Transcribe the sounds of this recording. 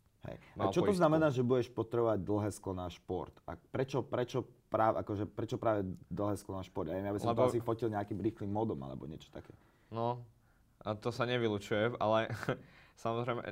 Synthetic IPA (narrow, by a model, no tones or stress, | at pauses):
hɛ̰jat͡ʃɔt̪ɔznamɛnaːʒɛbuɟɛʃpɔt̪ɾɛbɔʋaɟ̚d̪l̩ɦɛːsklɔnaːʃpɔ̰ɾt̪a̰pɾɛt͡ʃɔpɾɛt͡ʃɔpɾaːʋɛʔakɔʒɛpɾɛt͡ʃɔpɾaːʋɛd̪l̩ɦɛːsklɔnaːʃpɔɾd̪jaʋjɛmjabisɔmt̪ɔasifɔcilɲɛakimɾiːxlimːɔd̪ɔma̰lɛ̰bɔ̰ɲɪɛt͡ʃɔ̥t̪akɛː | nɔ | at̪ɔsaɲɛʋilut͡ʃujɛmalɛ | samɔzɾɛɪmɛ̰